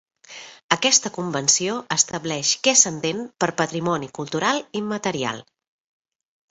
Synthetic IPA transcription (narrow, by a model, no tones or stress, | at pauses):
əkɛst̪əkumbənsioʔəst̪əblɛʃkɛsənd̪enpəɾpət̪ɾimɔnikulˠt̪uɾalˠimət̪əɾia̰lˠ